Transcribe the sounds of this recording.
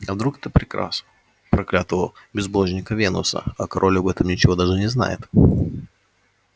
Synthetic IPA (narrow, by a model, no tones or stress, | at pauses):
ɐvd̪ɾukt̪ɨpɾʲɪkɾa̰snə | pɾɐklʲat̪əvə | bʲɪzboʐnʲɪkəvʲenʊ̰sə̰ɐkɐɾʔolʲʊɐbɛt̪əmnʲɪt͡ɕɪvo̞d̪aʐɨnʲɪzna̰jɪ̰t̪